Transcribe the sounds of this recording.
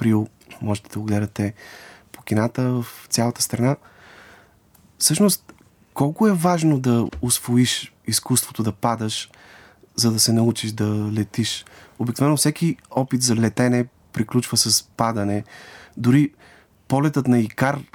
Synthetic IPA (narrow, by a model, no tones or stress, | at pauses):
pɾilˠ | mɔʒɛt̪ɛd̪ɐoɡlɛd̪ɐt̪ɛpo̥kʲinat̪əvəft̪sʲjalˠɐt̪əst̪ɾɐna | fsɤʃnost̪ | kɔlˠkʊɛvaʒnod̪ɐʊsvoiʃ | iskust̪vot̪od̪ɐpad̪əʃ | zɐd̪ɐsɛnɐut͡ʃiʃd̪ɐlɛt̪iʃobiknovɛnːʊfsɛkiɔpit̪zɐlɛt̪ɛnɛ | pɾiklʲut͡ʃvəsɐspad̪ɐnɛd̪ʊɾi | pɔlɛt̪ət̪nɐikaɾ